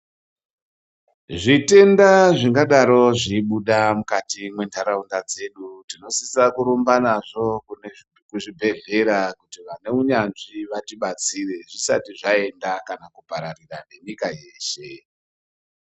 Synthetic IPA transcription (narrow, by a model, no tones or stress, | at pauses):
ʐite̞ndaʐiŋɡaɗaɾo̞ʐiɓuɗamukatimwe̞ndaɾaundad͡ze̞ɗutino̞sisakuɾumbanaʐo̞kn | kuʐibʱe̞ɮe̞ɾakutiʋane̞uɲanʐiʋatiɓat͡sire̞ʐisa̰tiʐae̞ndakanakupaɾarirane̞ɲikaje̞ːʃe̞